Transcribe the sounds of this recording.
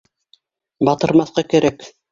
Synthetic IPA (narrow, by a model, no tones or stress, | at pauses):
bɑt̪ɤ̆ɾmɑθqɑkæ̆ɾæk